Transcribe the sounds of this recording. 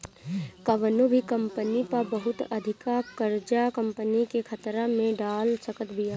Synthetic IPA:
kɐʋənobʱikɐ̃mpənipɐɾbəɦʊt̪əd̪ʱɪkakəɾd͡ʒakə̃mpənikekʰət̪ɾamẽɖaːlsəkət̪bʱijaː

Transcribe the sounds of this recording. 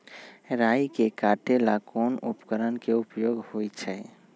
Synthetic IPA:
ɾajkekaʈelakɔnupkəɾənkeupjoɡhojt͡ʃʰɛ

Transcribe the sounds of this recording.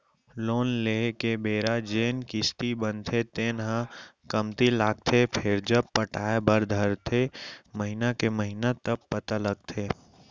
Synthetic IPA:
loːnleːkebeːɾad͡ʒeːnkɪst̪ibənt̪ʰet̪eːnɦã | kəmt̪ilaːɡ̚t̪ʰepʰɪɾd͡ʒəb̚pəʈaːebəɾd̪ʱəɾt̪ʰeməɦɪnakeməɦɪnat̪əb̚pət̪aləɡ̚t̪ʰeː

